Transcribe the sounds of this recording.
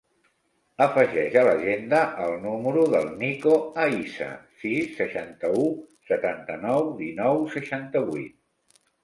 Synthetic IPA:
əfəʒɛʒələʒend̪əʔəlˠnuməɾuðəlˠnikoəisə̰sisːəʃant̪əusət̪ant̪ənɔwðinɔwsəʃant̪əβuḭt̪̚

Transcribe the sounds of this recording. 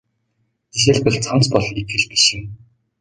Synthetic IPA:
iʃeɮpɘ̆ɮt͡sʰamt͡spɔɮit̪xɘ̆ɮpi̥ʃɪ̆m

